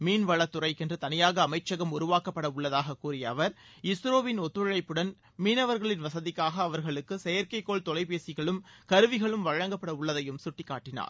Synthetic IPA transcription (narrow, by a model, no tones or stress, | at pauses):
miːnʋɐɭɐt̪ːʊɾɐɪkɛndrɯt̪ɐnɪjaːɣɐːmɐɪt͡ʃːɐɣɐmʊɾʊʋaːkɐpːɐɽɐʊɭːɐðaːɣɐkːuːrɪjɐːʋɐɾ | ɪsɾoːʋɪnɔt̪ːɯɻɪɭɐɪpːɯɽɐn | miːnɐʋɐɾɣɐɭɪnʋɐsɐðɪkːaːɣɐːʋɐɾɣɐɭɯkːɯsɛjɐɾkɐɪkːoːɭt̪ɔlɐɪpeːsɪɣɐɭɯmkɐɾɯʋɪɣɐɭɯmʋɐɻɐŋɡɐpːɐɽɐʊɭːɐðɐjɯmsʊʈːɪkːaːʈːɪna̰ːɾ